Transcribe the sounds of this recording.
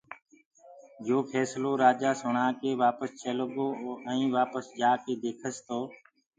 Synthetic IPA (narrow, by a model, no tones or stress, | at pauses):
d͡ʒoːpʰɛːsloːɾaːd͡ʒaːsʊɳãːkeːʋaːpəst͡ʃʰeːlɠoːɛ̃ĩːʋaːpəsd͡ʒaːkeːd̪eːkʰəst̪oː